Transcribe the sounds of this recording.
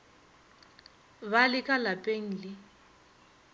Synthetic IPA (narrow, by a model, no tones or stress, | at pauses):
βalɪkʼalapʼeŋ̩lɪ